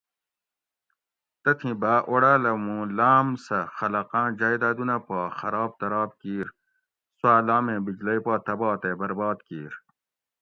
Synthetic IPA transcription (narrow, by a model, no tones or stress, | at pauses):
t̪ɐt̪ʰĩbaːʔoɽaːlɐmũlaːmsɐxɐlɐqãːd͡ʑaːjd̪aːd̪unɐpaːxɐɾaːb̚t̪ɐɾaːb̚kiːɾ | swaːlaːmẽːbid͡ʑlɐjpaːt̪ɐbɑːt̪ebɐɾbɑːd̪kiːɾ